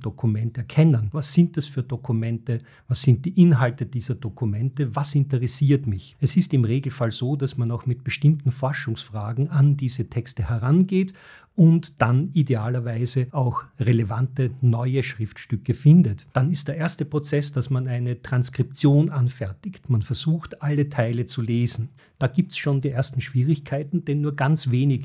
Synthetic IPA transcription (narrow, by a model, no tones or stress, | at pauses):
d̥okʰumɛntɛɐkʰɛnənvasz̥ɪnt̚d̥asfyːɐdokʰumɛntə | vasz̥ɪnt̚d̥iːʔɪnɦaltəd̥iːzɐdokʰumɛntəvasɪntəʁɛsiːɐtmɪçɛsɪstɪmʁeːɡl̩falzoːdasmanaʊxmɪt̚b̥əʃtɪmtn̩fɔɐʃʊŋsfʁ̥aːɡŋ̩andiːzətʰɛkstəhɛʁanɡeːt | ʊntd̥anideaːlɐvæɪzəaʊxʁelevantənɔʏəʃʁ̥ɪftʃtʏkəfɪndətd̥anɪstd̥eːɐʔeɐstəpʁ̥ot͡sɛsd̥asmanæɪnətʁ̥anskʁ̥ɪp̚t͡sjoːnʔanfɛɐtɪçtmanfɛɐz̥uːxtʔalətʰaɪlət͡suleːzn̩ | d̥aːɡiːp̚tsʃoːndiːʔeɐstn̩ʃv̥iːʁɪçkʰaɪtn̩d̥ɛnːuːɐɡant͡sv̥eːnɪç